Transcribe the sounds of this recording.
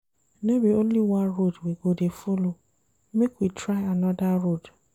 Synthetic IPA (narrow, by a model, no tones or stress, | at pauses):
nebiõnliwãnɾodwiɡodefolo | mekwitʰɾaɪanɔdaɾod